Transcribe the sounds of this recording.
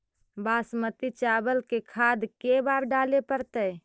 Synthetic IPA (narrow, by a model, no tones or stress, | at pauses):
baːsmət̪it͡ʃabəlkekʰad̪kebaɾɖaːlepəɾt̪əj